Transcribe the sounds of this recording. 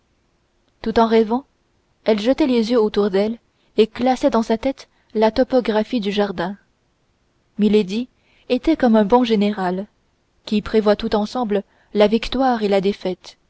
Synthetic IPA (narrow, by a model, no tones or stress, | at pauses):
t̪ut̪ɑ̃ʁɛvɑ̃ | ɛlʒət̪ɛlezjøot̪uʁd̪ɛl | eklasɛd̪ɑ̃sat̪ɛt̪ | lat̪ɔpɔɡʁafid̪yʒaʁd̪ɛ̃ | miled̪i | et̪ɛkɔmɛ̃bɔ̃ʒeneʁal | kʲipχevwat̪ut̪ɑ̃sɑ̃blə | lavikt̪waːʁelad̪efɛt̪